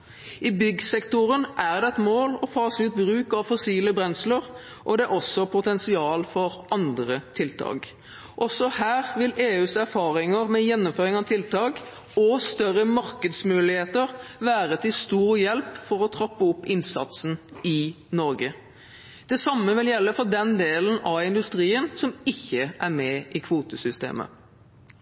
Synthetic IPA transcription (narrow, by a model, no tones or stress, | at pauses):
ɪbʏɡsɛkt̪ʊɾənʔæʁd̪ɛɛt̪moːlɔfɑːsʉːt̪̚bɾʉːkɑʋfɔsiːləbɾɛnsləʁ | ʔɔd̪ɛʔɔsɔpʰʊt̪ɛnsɪɑːlfɔɾʔɑnd̪ʁət̪ʰɪlt̪ʰɑ̰ːk | ʔɔsɔhæːʁʋɪleːʉːsæʁfɑːɾɪŋəʁmɛjɛnːɔmføːɾɪŋɑt̪ʰɪlt̪ʰɑːk | ɔst̪œɾːəmɑɾkəd̪smʉːlɪheːt̪əʁʋæːʁət̪ʰɪlst̪uːɾjɛlpfɔɾɔt̪ʰɾɑpːəɔpːɪnsɑ̰t̪sn̩ɪ | nɔɾɡə | d̪̥ɛsɑmːəʋɪljɛlːəfɔd̪ɛnd̪eːln̩ʔɑɪnd̪ʉst̪ɾiːənsɔmɪçːəʔæɾmɛʔɪkʰʋuːt̪əsʏst̪ḛːmə̰